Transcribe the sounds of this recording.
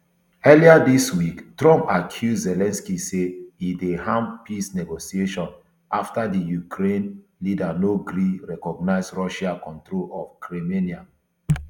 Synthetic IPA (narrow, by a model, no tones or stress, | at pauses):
ɛliadiswiktɹɔ̃mpakʰjudzɛlɛ̃nskiseidehãmpisneɡosieʃɔ̃n | ʔaftadijukʰɾẽnlidanoɡɾiɹɛkɔɡ̚naɪzɹɔʃakɔ̃ntɾolɔfkʰɹemenia